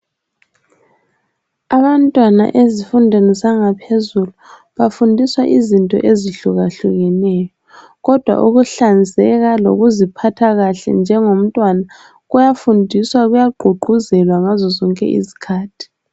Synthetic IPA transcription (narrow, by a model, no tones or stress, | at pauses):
aβantʼwana̰ʔezifundʱenizaŋapʰezulu | βafundʱiswaʔizintʼɔ̰ʔeziɬuɣaɬuɣɛnɛːjɔ | ɣɔd̥ʱwa̰ʔuɣuɬand͡zʱɛɣalo̰ɣuzipʰatʰaɣaɬɛ̰nd͡ʒʱɛŋom̩tʼwana | ɣujafundʱiswaɣujaɡ͡ǃʱuɡ͡ǃʱuzɛlwaŋazɔzɔŋkʼɛ̰ʔḭzi̥kʰaːtʰi̥